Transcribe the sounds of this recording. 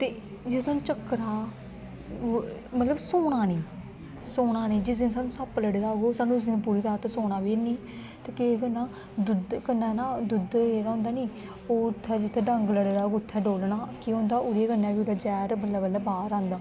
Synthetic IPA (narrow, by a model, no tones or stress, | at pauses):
t̪eː | d͡ʒesaːnũːt͡ʃəkɾaː | mət̪ləbsoːɽ̃aːnĩː | soːnaːnĩːd͡ʒɪsens̬aːnũːsaːpləɽed̪aːɡoːsaːnũːʊs̬iːnũpuːɾiːɾaːt̪soːɽ̃aːʋeːniː | t̪eːkeːkənːaː | d̪ʊd̪kənːaːnaːd̪ʊd̪leːɾaːɦʊ̃nd̪aːniː | oːt̪ʰːɛːd͡ʒɪt̪ʰːɛːɖəŋɡləɽed̪aːɡoʊt̪ʰːɛːɖoːlnaːkiːɦõːnd̪aːʔʊɾeːkənːãːʋiːʊɾaːd͡ʒɛːɾbəlːaːbəlaːbaːɾãːnd̪aː